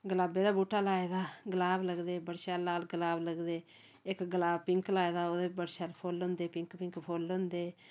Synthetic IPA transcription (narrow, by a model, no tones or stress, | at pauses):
ɡəlaːbeːd̪aːbuːʈːaːlaːeːd̪aːɡəlaːbləɡd̪eːbəɽʃaːlaːlɡəlaːbləɡd̪eː | ɪkɡəlaːpɪŋklaːed̪aːoːd̪eːbəɽʃaːlpʰoːlʊ̃nd̪eːpɪ̃ŋkpɪ̃ŋkpʰoːlʊ̃nd̪eː